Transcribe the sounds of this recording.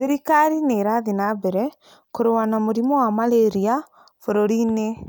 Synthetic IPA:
seɾikaɾineːɾaðinabɛɾɛ | koɾewanamoɾimɔwamaleɾia | foɾoɾine

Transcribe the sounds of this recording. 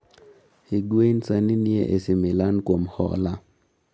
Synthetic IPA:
hiɡwensaninjeʔesimɪlankwomhɔ̰la

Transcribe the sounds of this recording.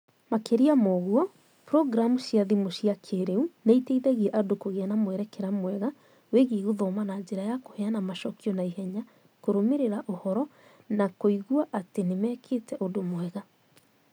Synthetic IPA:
makeɾiamɔɣuɔ | pɾɔɡɾamuɕjaðimoɕiakʰeɾeunaiteiðɛɣiɛʔadokoɣeanamwɛɾɛkɛɾamwɛɣa | weɣiɣuðɔmanaɲd͡ʑeɾajakohɛanamaʃɔkiɔnaihɛɲa | koɾomeɾeɾaʔohɔɾɔnakoiɣuaʔatenemɛkʰeːtɛʔodomwɛɣa

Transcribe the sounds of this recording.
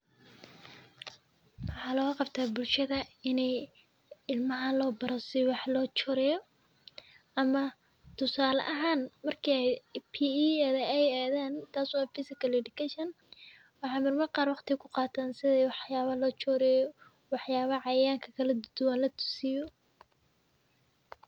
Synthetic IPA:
wɑħɑːlɔɣɐqɑbt̪ʰaːbʊlʃɐðɐɪnɛj | ɪlmɐɦɐlɔːbɐɾɔsɪjwɑħlɔːt͡ʃɔːɾɛjɔ | ʔɐmɐ | t̪ʰʊsaːlɐ̰ʔɐɦaːnmɐrkʰiɛd̪pʰiːɛːðɐɛjaːðaːnt̪ʰaːswɑːfɪsɪkʰɐlɛɖɪkʰɛʃɐn | wɑħɑːmɐrmɐqɑːrwɑqt̪ʰɪkʰʊqɑːt̪ʰaːnsɪðɛjwɑħjaːβɐlɔːt͡ʃʰɔːɾɛjɔ | wɑħjaːβɐʕɑjaːŋkʰɐkʰɐlɐd̪d̪ʊwanlɐt̪ʰʊ̥sɪjɔ

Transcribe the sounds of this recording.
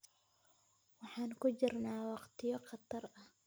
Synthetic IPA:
wɑħɑːŋkʊd͡ʒɪrnaːwɑqt̪ʰɪjɔqɑt̪ːɑɾʔɐh

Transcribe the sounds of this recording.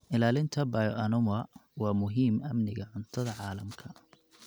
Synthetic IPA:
ʔɪlaːlɪnt̪ʰɐbɐjʔɐnʊmɐwɑːmʊɦiːmɐmnɪɣɐʕʊnt̪ʰɐðɐʕɑːlɐmkʰɐ

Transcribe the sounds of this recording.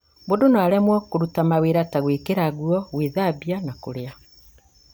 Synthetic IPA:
bodonoaɾamwɔkoɾutamaweɾataɣweːkeɾaɣuɔɣweːðaβianakoɾea

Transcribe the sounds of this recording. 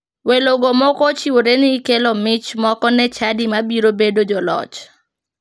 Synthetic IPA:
weloɡomɔkɔt͡ʃiwoɾenɪkelɔmɪt͡ʃmɔkɔnɛt͡ʃadimabiɾobedod͡ʒɔlɔ̰t͡ʃ

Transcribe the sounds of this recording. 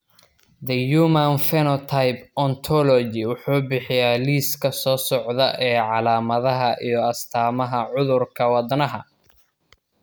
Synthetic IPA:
d̪ɐjuːmɐnfɛnɔt̪ʰajbɔnt̪ʰɔlɔd͡ʒɪwʊħuːbɪħɪjaːliːskʰɐsɔːsɔʕðɐʔɛːʕɑlaːmɐðɐɦɐʔijɞɐst̪ʰaːmɐɦɐʕʊðʊrkʰɐwɑd̪nɐɦɐ

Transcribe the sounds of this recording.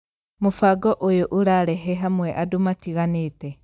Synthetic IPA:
mofaɡɔʔojoʔoɾaɾɛɦɛɦamwɛʔadomatiɣaneːtɛ

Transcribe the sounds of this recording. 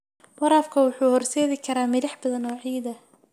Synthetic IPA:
mʊɾaːfkʰɐwʊħuːhɔrsɛːðɪkʰɐɾaːmɪlɐħbɐðɐnɔːʕiːd̪ɐ

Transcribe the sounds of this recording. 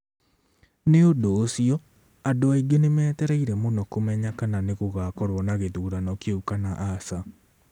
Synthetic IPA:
neodoːsiɔ | adoaiɡenemɛːtɛɾɛiɾɛmonɔkomɛɲakananeɣoɣakɔɾwɔnaɣeðuːɾanɔkeukanaʔasa

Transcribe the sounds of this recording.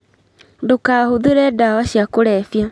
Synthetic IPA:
dokahoðeɾɛdawaɕiakoɾɛfja

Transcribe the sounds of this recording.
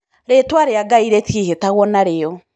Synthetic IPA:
ɾetwaɾeaɡaiɾetiehetaɣwɔnaɾeɔ

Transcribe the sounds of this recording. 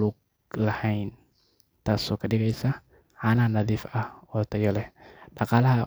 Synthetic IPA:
lʊɡ̚ | lɐhɛjn | t̪ʰaːsɔːkʰɐɗɪɣɛjsɐ | ʕaːnɐɐnɐðiːfɐhɔːt̪ʰɐjɔlɛɗɑqɑːlɐɦɐ

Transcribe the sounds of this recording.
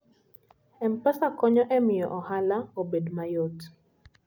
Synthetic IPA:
ɛmpasakɔɲɔʔɛmɪjɔ̰ʔɔhalaobedmajot

